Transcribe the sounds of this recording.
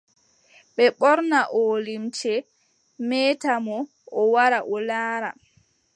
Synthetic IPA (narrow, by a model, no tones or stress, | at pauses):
ɓɛɓɔɾnaʔolimt͡ʃɛ | mɛtamɔ | ɔwaɾaʔɔlaːɾa